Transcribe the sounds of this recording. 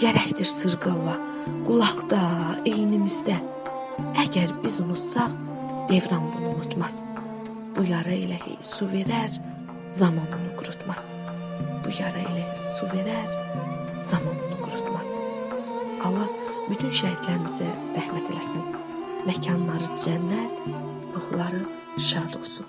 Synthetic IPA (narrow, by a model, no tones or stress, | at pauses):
jæɾæçt̪iɾsɯɾɡɯlˠɑ | ɡ̥ulˠɑχt̪ɑejinimizd̪æ | æɟæɾbizunut̪sɑχ | d̪̥e̞vɾɑnbununut̪ʰmɑz̥ | b̥ujɑɾɑilæh | suve̞ɾæɾ | zɑmɑnɯnɯɡuɾut̪ʰmɑz̥ | b̥ujɑɾɑḭlæsuve̞ɾæɾ | z̥ɑmɑnunɯɡuɾut̪ʰmɑz̥ | ɑlˠɑ | byt̪ʰynʃæhit̪læɾimizæ | ɾæhmæt̪ʰe̞læsin | mæcʰɑnlˠɑɾɯd̪d͡ʒænːæɾ | ɾuhlˠɑɾɯ | ʃɑːd̪o̞̰lˠsun